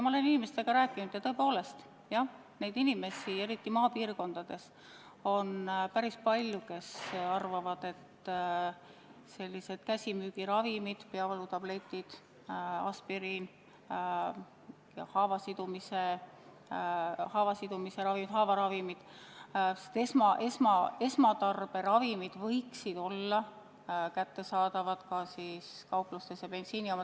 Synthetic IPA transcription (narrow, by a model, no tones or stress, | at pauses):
mɑole̞ninimest̪e̞ɡ̥ɑɾæːkːˑinud̪̥jɑt̪ɤe̞po̞ːle̞st̪ | jɑ | ne̞jd̪inime̞sie̞ɾit̪ːimɑːpiːrko̞nd̪̥ɑd̪̥e̞s | o̞npæɾispɑlʲjuke̞sɑrvɑvɑd̪̥e̞t̪ | se̞lʲːise̞d̪̥kæsʲimyːɡ̥iɾɑvimid̪̥peɑvɑlut̪ɑb̥le̞t̪ːˑid̪̥ | ɑ̰spiɾin | jɑhɑːvɑsid̪̥umise | hɑːvɑsid̪̥umise̞ɾɑvimid̪̥hɑːvɑɾɑvimid̪̥ | se̥t̪esmɑʔe̞smɑe̞smɑt̪ɑrb̥e̞ɾɑvimid̪̥vɤjksid̪̥o̞lːɑ | kæt̪ːe̞sɑːd̪̥ɑvɑd̪̥kɑsiːskɑwplust̪esjɑb̥e̞nsiːniomɑ